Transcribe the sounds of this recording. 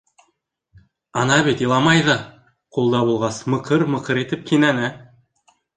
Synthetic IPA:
ɑnɑbet̪ilˠɑmɑjðə | qʰolˠd̪ɑbolˠʁɑsməqʰəɾməqəɾe̞t̪ɪp̚kʲʰenænɪ

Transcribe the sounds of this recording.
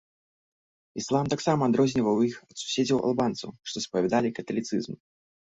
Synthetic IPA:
islˠamt̪aksamɐːd̪ɾɔzʲnʲivɐwjixɐt̪su̥sʲed͡zʲɐwʔɐ̰lˠbant̪sɐwʂt̪ɔspɐvʲɛd̪alʲikɐt̪ɐlʲit̪sɨ̰zm

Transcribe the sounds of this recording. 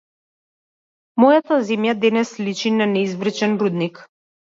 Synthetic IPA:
mɔjat̪azɛmjad̪ɛnɛslit͡ʃinanɛizvɾr̩t͡ʃɛnɾud̪nik

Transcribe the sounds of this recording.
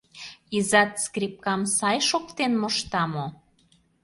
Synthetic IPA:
izɑt̪skrip̚kɑmsɑjʃokt̪enmŏʃt̪ɑmo

